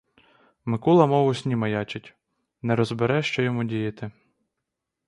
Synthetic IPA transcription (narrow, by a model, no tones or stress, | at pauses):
mɪkulˠɐmɔʋʊsʲnʲimɐjɑt͡ʃɪtʲ | nɛɾɔzbeɾɛʃt͡ʃɔjɔmudʲijɐt̪ɪ